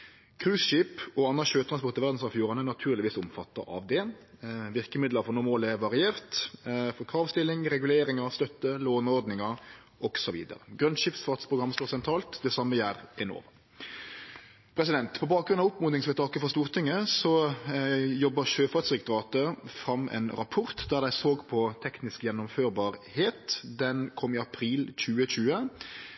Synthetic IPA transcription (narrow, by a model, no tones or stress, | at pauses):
kʰʁʉːsʃiːpɔɑnːɑʃøːt̪ʰʁɑnspɔʁt̪ɪʋæʁd̪n̩sɑʋfjuːʁɑnɛnɑt̪ʰʉːɾlɪʋiːsʊmfɑt̪ːə̰ɑ̰ʋd̪ɛːnʋɪʁkəmɪd̪ləɾfɔʁnʊːmoːlɛɾʋɑʁɪeːʁt̪fɔɾkʰʁɑːʋst̪ɪlːɪŋʁɛɡʉleːɾɪŋɑɾst̪œt̪ːəloːnɔʁd̪nɪŋɑɾ | ʔɔɡ̥sɔʋḭːd̪ə̰ɾə̰ɡʁœnʃɪfsfɑt̪spʰɾʊɡɾɑmːst̪oːʁsɛnt̪ʰɾɑːlt̪d̪ɛsɑmːəjæːɾɛno̰ːʋ | pʰɾɛs̬ɪd̪ɛnt̪pʰɔbɑːk̚ɡɾʉnɑʋʊpːmʊnɪŋsʋɛt̪ʰɑːkəfɔst̪uːʁt̪ʰɪŋːəsɔ | jɔbːəɾʃøːfɑt̪sʁɪkt̪ʊɾɑːt̪əfɾɑmːɛ̰ːnɾɑpʰʊʁt̪d̪æːɾd̪æɪsoːɡpʰɔt̪ʰɛknɪskjɛnːʊmføːɾbɑːɾheːt̪d̪ɛnkʰɔmːɪɑpʰɾiːlc͡çʉːəɕʉːə